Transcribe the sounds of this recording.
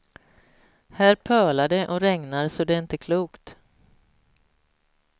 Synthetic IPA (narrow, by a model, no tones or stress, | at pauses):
hæːɾpʰœːɭad̪ɛʔɔɾɛŋnaɾsɔd̪ɛɾɪnt̪əkʰluːkt̪